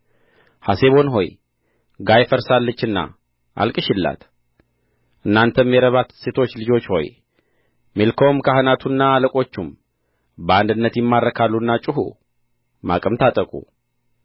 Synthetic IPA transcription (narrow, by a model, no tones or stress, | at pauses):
hase̞βo̞nɦo̞j | ɡajfəɾsalːət͡ʃːɨnːa̰ | ʔa̰lkʼɨʃɪlːa̰t̪ | ʔɨnːant̪ʰəmːjɛɾəβat̪se̞t̪ʰo̞t͡ʃːlɨd͡ʒo̞t͡ʃːho̞̰j | milkʰowmkʰaɦənat̪ʰunːaːləkʼo̞t͡ʃːum | bəand̪ɨnːət̪jɛmːarːəkʰalːunːat͡ʃʼɪɦṵ | ma̰kʼəmt̪ʰat̪ʼəkʼṵ